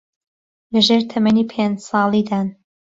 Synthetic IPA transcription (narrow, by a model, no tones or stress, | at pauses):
lɐʒeːɾt̪ʰɐmɐniːpʰend͡ʒsɑːlˠiːd̪aːn